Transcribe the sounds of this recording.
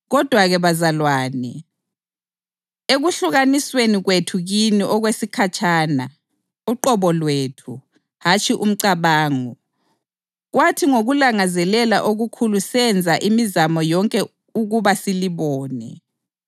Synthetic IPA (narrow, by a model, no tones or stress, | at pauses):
ɣɔd̥ʱwaɣɛβazalwaːnɛ | eɣuɬuɣanisweniɣwetʰuɣiniʔɔɣwesikʰat͡ʃʰʼaːna | uǃɔβɔlwetʰu | hat͡ʃʰʼiʔum̩ǀaβaːŋɔ | ɣwatʰiŋoɣulaŋazɛlɛla̰ʔoɣukʰulusɛnd͡zʱaʔimizamɔjɔŋkʼɛ | uɣuβasiliβɔːnɛ̰